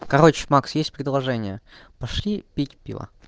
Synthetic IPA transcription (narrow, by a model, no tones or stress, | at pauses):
kɐɾot͡ɕmaksjesʲtʲpɾʲɪd̪lˠɐʐɛnʲɪjə | pɐʂlʲipʲitʲpʲḭlˠə̰